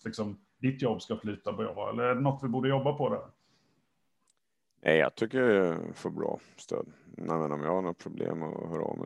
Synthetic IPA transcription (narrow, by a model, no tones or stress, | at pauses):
lɪksɔm | d̪ɪt̪jɔbːskafly̟ːt̪abɾɑ̰ːɛ̰lːəɾæɖɛnɔt̪ːvɪbuːɖəjɔbːapʰɔd̪ɛɾ | nʔɛjjɑ̰t̪ʰʏkːəɾjɛfœɾbɾɑ̰ːst̪ʰøːd̪nɛvənɔmjɑhaɳɔt̪̚pʰɾʊblḛːmɔhœːɾɑ̰mɛ